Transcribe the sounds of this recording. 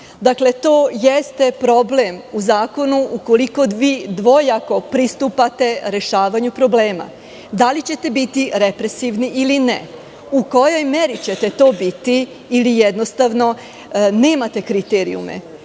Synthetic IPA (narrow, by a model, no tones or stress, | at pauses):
d̪akle̞t̪oːjest̪e̞pɾo̞ble̞muzaːko̞nuʔuko̞liko̞d̪ʋiːd̪ʋo̞jako̞pɾist̪upat̪e̞ɾe̞ʃaːʋaɲupɾo̞ble̞ːma̰ | d̪alit͡ɕe̞t̪e̞bit̪iɾepɾe̞siʋniʔiline | uko̞jo̞jmeɾit͡ɕet̪e̞t̪o̞ːbit̪iː | lijed̪nost̪aʋno̞ | ne̞ːmat̪e̞kɾit̪eɾḭṵmḛ